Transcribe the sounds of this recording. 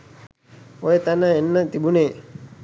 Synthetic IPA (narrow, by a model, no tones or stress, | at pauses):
ojet̪anaenːət̪ibune